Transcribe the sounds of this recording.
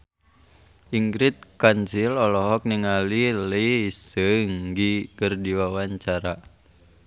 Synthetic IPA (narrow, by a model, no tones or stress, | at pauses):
iŋɡɾit̪̚kansilɔlɔɦɔk̚niŋaliləsəŋɡikərdiwawaɲt͡ʃaɾa